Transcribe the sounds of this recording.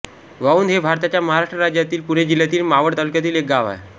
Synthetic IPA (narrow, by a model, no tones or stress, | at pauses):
ʋauːnd̪ɦebʱaɾt̪at͡ɕjaməɦaɾaʂʈɾəɾad͡ʑjat̪iːlpuɽ̃ed͡ʑil̤ːjat̪iːlmaʋəɽt̪alukjat̪iːlek̚ɡaʋa̰e